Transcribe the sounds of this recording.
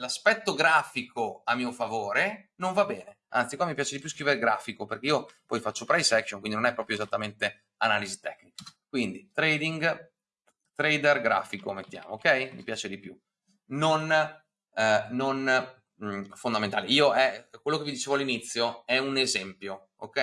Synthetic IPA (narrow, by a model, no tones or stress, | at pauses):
laspɛt̪ːoɡɾaːfikʰoamːiːofavoːɾenoɱvabːɛːne | a̰nt̪sikwamːipjaːt͡ʃed̪ipjus̬kɾiveɾeɡɾa̰ːfikoperk̟eijopɔjfat͡ʃːopɾajsɛkʃonkind̪inonɛpːɾɔːpɾjoezat̪ːament̪e | anaːlizit̪ɛkːnikḁkwind̪it̪ɾed̪iŋɡ | t̪ɾejd̪erɡɾa̰ːfikomet̪ːja̰ːmookːɛjmḭpjaːt͡ʃed̪ipju | non | on | fond̪amẽnt̪aːleiːoʔɛkwelːokevid̪it͡ʃeːvoalːinit̪sːjoɛunezɛmpjo | o̰kːɛ